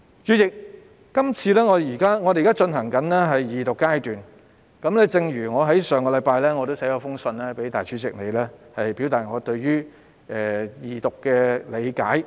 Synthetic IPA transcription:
t͡ʃyː˨˧jɪ˨k̚ː | ɐ˥mt͡sʰiː˧lɛː˥ŋɔː˨˧˨jiː˨˩kaː˥ŋɔ˨˧e˨kaː˥t͡ʃɵ˧nɦɐ˨˩ŋkɐ˨˥nlɛː˥ɦɐ˨jjiː˨t̪ʊ˨kːaː˥jt̪yː˨n | kɐ˨˥mlɛː˥t͡sɪ˧ŋɥyː˨˩ŋɔː˨˧ɦɐ˨˥jsœː˨ŋkɔː˧lɐ˨˧jpaː˧jlɛː˥ŋɔ˨˧t̪o˥wsɛ˨˥kɔː˧fʊ˥ŋsɵ˧nlɛː˥pe˨˥jt̪a̰ː˨jt͡ʃʰyː˨˥t͡sɪ˨k̚ne˨jlɛː˥hɐ˨jpiː˨˥wt̪aː˨t̚ŋɔː˨˧t̪ɵ˧ɥjyː˥ | ɛː˨jiː˨˩t̪ʊ˨kːɛː˧le˨˧jka̰ː˨˥j

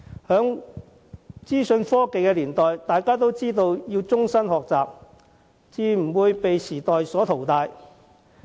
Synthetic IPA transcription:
hœː˨˥ŋ | t͡siː˥sɵ˧nfɔː˥ke˨jkɛː˧liː˨˩nt̪ɔː˨jt̪aː˨jkaː˥t̪o˥wt͡siː˥t̪o˧wjiː˧wt͡sʊ˥ŋsɐ˥nhɔː˨k̚t͡saː˨p̚ | t͡siː˨˧m̩˨˩wuː˨˧jpe˨jsiː˨˩t̪ɔː˨jsɔː˨˥t̪ʰo˨˩wt̪aː˧j

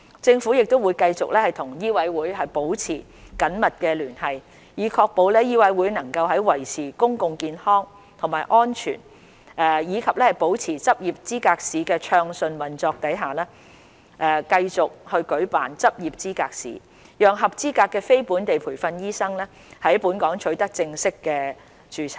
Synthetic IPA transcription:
t͡sɪ˧ŋfuː˨˥jɪ˨k̚t̪o˥wuː˨˧jkɐ˧jt͡sʊ˨k̚lɛː˥hɐ˨jt̪ʰʊ˨˩ŋjiː˥wɐ˨˥jwuː˨˥jhɐ˨jpo˨˥wt͡sʰḭː˨˩ | kɐ˨˥nmɐ˨t̚kɛː˧lyː˨˩nhɐ˨j | jiː˨˧kʰɔː˧k̚po˨˧wlɛː˥jiː˥wɐ˨˥jwuː˨˥jnɐ˨˩ŋkɐ˧wɦɐ˨˥jwɐ˨˩jt͡sʰiː˨˩kʊ˥ŋkʊ˨˧ŋkiː˨nhɔː˥ŋ | t̪ʰʊ˨˩maː˨˩jʔɔː˥nt͡ʃʰy̰ː˨˩n | ʔɛː˨jiː˨˧kʰɐ˨p̚lɛː˥hɐ˨jpo˨˥wt͡sʰiː˨˩t͡sɐ˥p̚jiː˨p̚t͡siː˥kaː˧k̚siː˨kɛː˧t͡ʃʰœː˧ŋsɵ˧nwɐ˨˩nt͡sɔː˧k̚t̪ɐ˨˥jɦaː˨lɛː˥ | ʔɛː˧kɐ˧jt͡sʊ˨k̚hɵ˧ɥkɵ˨˥ɥpa̰ː˨nt͡sɐ˥p̚jiː˨p̚t͡siː˥kaː˧k̚sḭː˨˥ | jœː˨ŋɦɐ˨p̚t͡siː˥kaː˧kːɛː˧fe˥jpuː˨˥nt̪e˨jpʰuː˨˩jfɐ˧njiː˥sɐ˥ŋlɛː˥ | hɐ˨˥jpuː˨˥nkɔː˨˥ŋt͡ʃʰɵ˨˥ɥt̪ɐ˥k̚t͡sɪ˧ŋsɪ˥kːɛː˧ | t͡ʃyː˨˧t͡sʰɐ˨˩

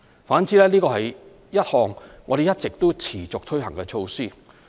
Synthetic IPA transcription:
faː˨˥nt͡siː˨˥lɛː˥liː˥kɔː˧hɐ˨j | jɐ˥t̚hɔː˨ŋːŋɔː˨˧ɾe˨jɐ˥t̚t͡sɪ˨k̚t̪o˥wt͡sʰiː˨˩t͡sʊ˨k̚t̪ʰɵ˥ɥɦɐ˨˩ŋkɛ˧t͡ʃʰo˧wsiː˥

